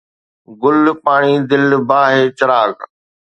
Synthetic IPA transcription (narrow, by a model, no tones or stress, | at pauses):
ɡʊlpaːɽ̃id̪ɪlbaːɦeːt͡ʃɐɾaːk